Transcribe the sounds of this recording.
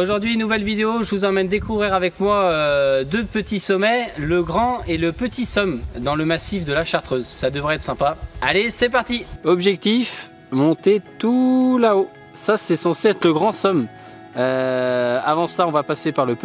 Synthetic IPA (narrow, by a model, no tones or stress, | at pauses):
oʒuʁd̪ɥinːuvɛlvid̪eoʒəvuzɑ̃mɛnd̪ekuvʁiʁavɛkmwaød̪øpət̪isɔmɛləɡʁɑ̃eləpət̪isɔmd̪ɑ̃ləmasifd̪əlaʃaʁt̪χøzsad̪əvʁɛɛt̪χsɛ̃paalesɛpaʁt̪iɔbʒɛk̚t̪if | mɔ̃t̪et̪ulao | sasɛsɑ̃seɛt̪χləɡʁɑ̃sɔm | ø | avɑ̃saɔ̃vapasepaʁləp